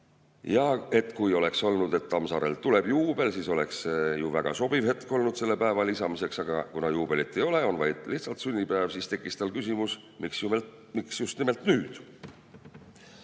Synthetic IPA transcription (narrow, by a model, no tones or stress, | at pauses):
jɑe̞t̪ːˑkujo̞le̞kso̞lnud̪̥e̞t̪ːɑmsɑɾḛlt̪ule̞b̥juːb̥e̞lsiːso̞le̞ksejuvæɡ̥ɑ̰so̞b̥ivhe̞t̪ko̞lnud̪̥se̞lːepæevɑlisɑmise̞ksɑɡ̥ɑkunɑjuːb̥e̞lit̪ːˑe̞jo̞le̞o̞nvɑjd̪̥liht̪sɑlt̪synʲːipæːvsist̪e̞kˑːist̪ɑlkysimus | miksju | miksjust̪nime̞lt̪nyːd̪̥